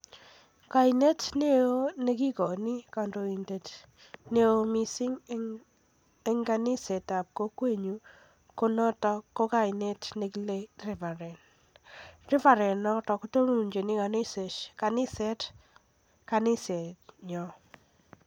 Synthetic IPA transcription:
ka˨ine˦tne˦o˦ne˦ki˦kɔ˨ni˦ka˨ndo˨i˨nde˨t | ne˦o˦mi˦si˦ŋ | e˦ŋɡa˨nɪ˦se˨ta˨p̚ko˦kwe˦ɲu˦ | ko˦nɔ˦tɔ˦ko˦ka˦ine˦tne˨ki˦le˦rɛ˨va˨ɾɛ˨n | rɪ˦va˨ɾɛ˨nːɔ˦tɔ˨ku˦to˦nu˨nd͡ʒe˨ni˦ka˨nɪ˦se˨ʃka˨nɪ˦sɛ˦t | ka˨nɪ˦sɛ˨tɲɔ˨

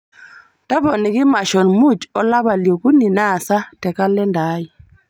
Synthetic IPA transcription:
ta˦βɔ˨ni˨ki˦ma˨ʃɔ˨nmu˦˨t͡ʃɔ˦la˦βa˨ljɔ˨ku˦ni˨na˦˨sa˦tɛ˨ka˦lɛ˦ndaː˨˦ji˨

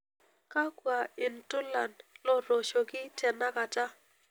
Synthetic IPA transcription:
ka˦kwa˨ɪ˨ntʊ˦la˨nlɔ˦ɾo˨ʃo˨kɪ˦tɛ˨na˦ka˨ta˦

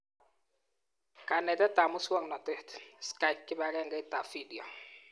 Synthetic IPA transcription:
ka˨nɛ˨tɛ˦ta˨mʊ˦swɔ˦ŋnɔ˨tɛ˦tska˦i˦p̚kɪ˦ba˨ɾɛ˦ŋɡɛ˦i˦ta˨fi˦di˨ɔ˨

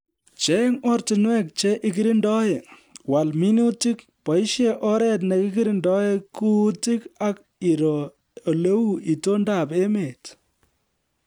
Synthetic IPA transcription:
t͡ʃe˦ŋɔ˦ɾtɪ˨nwɛ˦k̚t͡ʃe˦ʔɪ˦ki˦ɾi˦ndɔ˦e˨wa˨lmi˦nu˦ti˦k | pɔ˨i˦ʃe˦ʔɔ˦ɾɛ˨t̬ne˨kɪ˦ki˦ɾi˦ndɔ˦e˦ku˦ti˦ka˦k | i˨ɾɔː˨ | lo˦wu˦i˨to˦nda˨pe˦me˨t

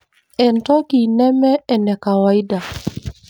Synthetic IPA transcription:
ɛ˨ntɔ˦ki˨nɛ˦mɛ˦ɛ˨nɛ˨ka˨wa˦i˦da˨

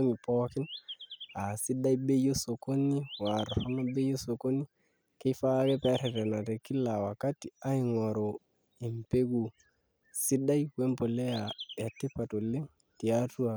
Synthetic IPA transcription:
ŋi˨pɔ˦ki˦n | a˨si˦ɗa˦jbe˦jo˦so˨ko˦ni˦wa˨ɾɔ˨ɾo˦no˦be˦jo˦so˨ko˦ni˦ | ke˦fa˦kɛ˦pɛ˦ɾɛ˨tɛ˨na˨ɾe˨ki˦la˨wa˨ka˦ti˨a˦i˨ŋɔ˨ɾo˨ | i˨mpe˦ɡu˨ | si˦ɗa˦jkwe˦mpo˨le˦ja˨ja˨tːe˦pa˨to˨le˦ŋ | ti˨a˦tu˦a˨

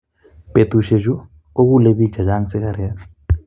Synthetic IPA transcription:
pe˨t̪u˨ʃe˨d͡ʒu˦ | o˦k̬u˦le˦βi̥˦d͡ʒʱa˨d͡ʒa˦ŋsɛ˦ka˨ɾɛ˦a

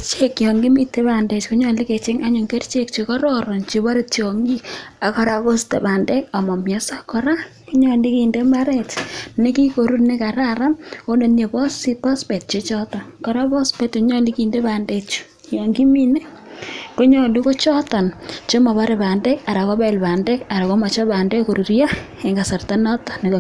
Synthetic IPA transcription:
t͡ʃe˦kjɔ˨ŋɡi˦mi˦te˦ba˨nde˨t͡ʃko˦ɲɔ˨li˦ke˨t͡ʃe˦ŋa˦ɲo˨ŋke˦rt͡ʃe˦kt͡ʃekɔ˦ɾɔɾɔ˨nt͡ʃe˨βa˦ɾe˦to˨ŋɡi˦a˨kɔ˦ɾa˨ko˦stḛ˨ba˨nde˦ka˨mɔ˨mjɛ˨sa˦kɔ˦ɾa˦ko˦ɲɔ˨li˦ki˨nde˦ma˦ɾɛ˨tne˦ki˦ko˨ɾu˦ne˦ka˨ɾa˦ɾa˦o˦ne˨nje˨pɔ˦si˦pɔ˦spɛ˨t̚t͡ʃe˦t͡ʃɔ˦tɔ˨nkɔ˦ɾa˦pɔ˦spe˨tko˦ɲɔ˦li˦kinde˦ba˨nde˦t͡ʃu̥˦ | jo˨ŋɡi˦mi˦ne˦ | ko˦ɲɔ˨li˦ko˦t͡ʃɔ˦tɔ˨nt͡ʃo˦ma˨βa˦ɾe˨ba˨nde˦ka˨ɾa˨ko˦ba˦ɪ˨lba˨nde˦ka˨ɾa˨ko˦ma˨t͡ʃɔ˦ba˨nde˦ko˨ɾu˨ɾja˦ | e˨ŋɡa˨sa˨rta˦nɔ˦tɔ̥˨neko˨

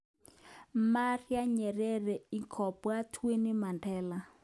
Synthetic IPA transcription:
ma˦ri˦a˦ɲɛ˨rɛ˦rɛ˨i˨kʰɔ˨pɔ˨a˦tʰwe˦ni˦ma˨ndʰɛːla˦

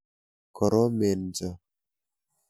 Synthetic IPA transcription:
kɔ˨ɾɔ˦me˨nd͡ʒɔ˨

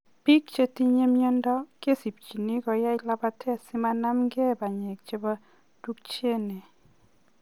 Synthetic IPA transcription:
pi˦k̚t͡ʃe˦ti˦ɲe˦mjɔ˦ndɔ˦ke˦si˨p̚t͡ʃi˨ni˦kɔ˨ja˦ɪ˨la˦ba˦tʰɛ˦a˨sɪ˦ma˦na˦mɡe˦˨ba˨ɲɛ˨k̚t͡ʃe˦ba˦ | d̥u˦k̚t͡ʃe˦ne˨

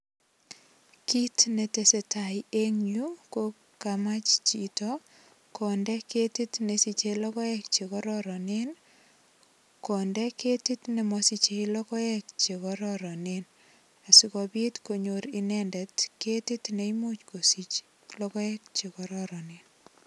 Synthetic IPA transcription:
ki˦tne˨te˨se˨tʰa˨ie˦ŋju˦ko | kama˦t͡ʃt͡ʃi˨tɔ | kɔ˨ndɛ˦ke˦ti˦tne˨si˨t͡ʃelɔkɔ˦ɛkt͡ʃe˨kɔɾɔɾɔnen | kɔ˨ndɛ˦ke˦ti˦tne˨mɔsi˦t͡ʃe˦ilɔ˦kɔ˦ɛ˦k̚t͡ʃe˨kɔɾɔɾɔ˨nen | a˨sikɔ˨bi˦tko˨ɲoɾi˦nɛndɛ˨tke˦ti˦tne˦imot͡ʃko˨si˦t͡ʃ | lɔkɔ˦ɛ˦k̚t͡ʃe˨kɔ˨ɾɔɾɔnɪn

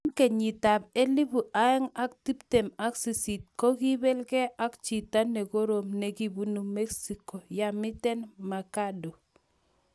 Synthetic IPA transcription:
ŋkɛ˨ɲi˨ta˨p̚e˦li˦bu˨ʔa˦ɛ˦ŋa˦k̚ti˦ptɛ˨ma˦ksi˨si˨t̚kɔ˦ki˦bɛ˦lkɛ˦ʔa˦kt͡ʃi˨ta˦nɛ˨ko˦ɾo˨mne˨ki˨bu˦nu˨mɛ˦ksi˨ko˨ja˨mɪ˦tɛ˦nma˨ka˦do˨

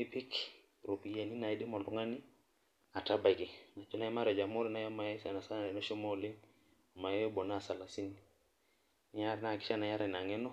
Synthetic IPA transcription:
i˦pi˦k | ɾo˨pi˨ja˨ni˦na˨i˦di˦mɔ˨lu˦ŋa˦ni˦ | a˨ta˦ba˨ɡi˨na˨t͡ʃu˦na˦ɛ˦ma˦ɾɛ˨d͡ʒa˨mo˦ɾi˦na˦jɔ˦ma˨jɛ˦sa˨na˨sa˦na˨ɛ˨nɔ˦ʃɔ˦mɔ˦li˦ŋ | ɔ˨ma˨jɔ˦jɔ˦bɔ˨na˦˨sa˨la˨si˦ni˨ | ɲa˦ɾɛ˨na˦˨ki˦ʃa˦na˨ɲa˦ɾɛ˨na˨ŋɛ˦nɔ˦

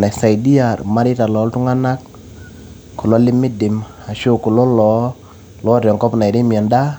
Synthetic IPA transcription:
na˨sa˨jdi˦a˨ɾma˦dɪ˦ta˨lɔ˨˦ltʊ˦ŋa˦na˦k | ko˨lɔ˦lɪ˦mːɪ˦dɪ˨m | a˨ʃo˦˨ko˨lɔ˦lɔ˨˦ | lɔ˦ɾɔ˨ŋkɔ˦pna˨i˨ɾɪ˦mi˨a˨nda˦

